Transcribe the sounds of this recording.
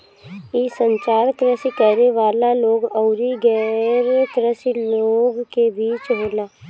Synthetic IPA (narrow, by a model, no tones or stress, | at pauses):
isə̃ɲt͡ʃaːɾkɾəsikɛːɾeʋaːlaloːɡɔʊɾiɡɛːɾkɾəsiloːɡkebiːt͡ʃɦoːlaː